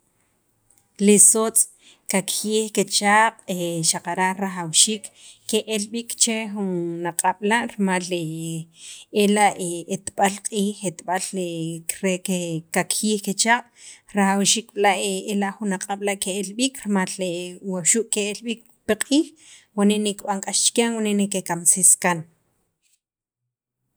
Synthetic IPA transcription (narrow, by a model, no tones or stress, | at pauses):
lisot͡sʼ | kakjiːχket͡ʃaːqʼeʃaqaɾaʔɾaχawʃiːkːeʔelɓikt͡ʃexunːaqʼaɓ̥laʔɾmale | elaʔeet̪ɓalqʼiːχet̪ɓaleɾekekakʰiːxket͡ʃaɓ̥ʼɾaχawʃiːk̚ɓilaʔeelaʔχunːaqʼaɓlaʔkeelɓiːkɾemalewawʃuʔkeelɓik̚ | piqʼiːχ | waneʔnekɓaŋkʼaʃt͡ʃkaŋwaneʔnekekamseskan